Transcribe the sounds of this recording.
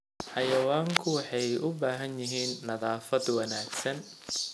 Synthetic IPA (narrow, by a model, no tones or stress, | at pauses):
ħɑjɐwaːŋkʰʊwɑħɑjʔʊbaːɦɐnjɪɦiːnːɐðaːfɐd̪wɐnaːɡsɐn